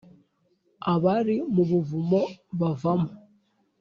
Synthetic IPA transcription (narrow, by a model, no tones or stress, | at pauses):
aβaɾimuβuvumɔβavamu